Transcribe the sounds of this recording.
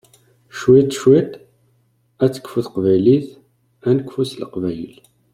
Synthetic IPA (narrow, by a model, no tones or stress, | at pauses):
ʃwit̪ːʃwit̪ | æt͡sːə̥kːfuθqvæjliθ | ænəkːfuslə̰qvæjə̰l